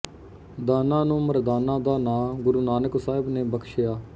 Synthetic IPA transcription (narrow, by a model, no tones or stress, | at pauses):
d̪aːnãːnũːməɾd̪aːnãːd̪aːnãːɡʊɾuːnaːnəksaːɦɪbnẽːbəkʰʃɪjaː